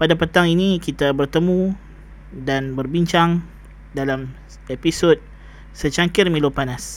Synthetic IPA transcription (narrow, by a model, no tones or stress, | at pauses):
padapət̪aŋinikit̪abərt̪əmũ | danbərbiɲt͡ʃaŋ | dalam | episot̪̚ | sət͡ʃaŋkɪrmĩlupanas